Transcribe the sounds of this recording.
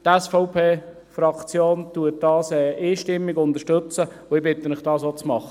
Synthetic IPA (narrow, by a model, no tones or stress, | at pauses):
tɛsfɔʊpʰeː | fɾɑkt͡sjoːnt̪uət̚d̥ɑːsɛʔiːʃtɪmːɪɡʊnd̪əʃtɵt͡sə | ʊɪbɪt̪əmɪχd̥ɑːsot͡smɑχə